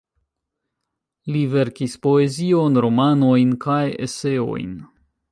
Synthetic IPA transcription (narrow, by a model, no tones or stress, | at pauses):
live̞ɾkispo̞e̞zio̞nɾo̞mano̞jnkajḛse̞o̞̰jn